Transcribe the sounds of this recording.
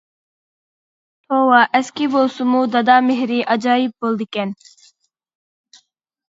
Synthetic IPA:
tʰoːwaːʔɛskibosumuːd̪ɐd̪aːmeɦɾiːʔɐd͡ʒaːib̚bold̪iken

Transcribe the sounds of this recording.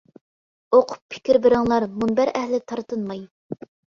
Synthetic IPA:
oqʰʊ̥pʰːɪ̥kʲɪɾbɪɾɪŋlˠɑɾmunbæɾɛhlɪt̪ʰɑɾt̪ɨnmɑj

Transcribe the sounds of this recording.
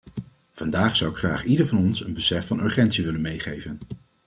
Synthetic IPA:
v̥ɑndaːχsʌwɪkχra̰ːχidəɹvɑnɔnsənbəsɛfɑnɵɹχɛntsiʋɪlənmejχejvən

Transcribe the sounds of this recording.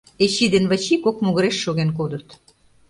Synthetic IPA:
et͡ɕid̪enβət͡ɕikokmuɣə̆ɾeʃːoɣenkod̪ə̆t̪

